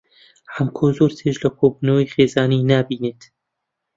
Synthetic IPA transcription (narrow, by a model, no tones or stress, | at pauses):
hamkʰoːzoɾt̪ʰeʒlɐkʰobuːnɐwejχeːzaːninaːbiːneːt̪